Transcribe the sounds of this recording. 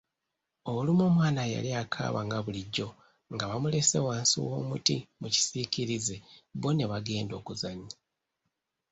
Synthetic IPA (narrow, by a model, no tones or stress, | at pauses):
oβulimo̞ːmwaːnaja̰liakʰa̰ːβaŋɡaβuliɟːo̞ | ŋɡaβamule̞se̞̰waːnsḭwo̰ːmutḭmuci̥siciɾizeβo̞ne̞βaɡe̞ːndo̞ːkuzaɲi